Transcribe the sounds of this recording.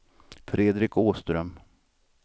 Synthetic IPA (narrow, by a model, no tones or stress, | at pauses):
fɾeːd̪ɾɪkoːst̪ɾœm